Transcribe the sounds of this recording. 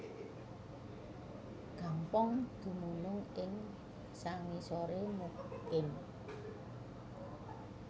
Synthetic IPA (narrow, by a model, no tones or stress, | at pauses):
ɡ̥a̤mpɔŋd̪̥ṳmunʊŋɪŋ | saŋisoɾemuhkɪn